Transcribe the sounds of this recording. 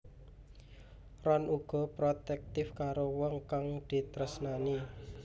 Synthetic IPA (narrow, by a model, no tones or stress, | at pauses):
rɔnuɡ̥ɔ̤pɾot̪ɛk̚t̪ɪfkaɾowɔŋkaŋd̪̥i̤t̪ɾəsnani